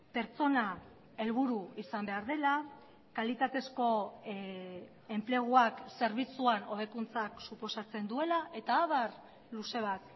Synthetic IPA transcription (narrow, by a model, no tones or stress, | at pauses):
pe̞ɾt͡so̞na | e̞lβuɾuisambe̞aɾðe̞la | kalit̪at̪e̞sko̞ | e̞mple̞ɣ̞uakse̞ɾβit͡suano̞β̞e̞kunt͡saksupo̞sat͡se̞nd̪ue̞laʔe̞t̪aːβaɾ | luse̞β̞at̪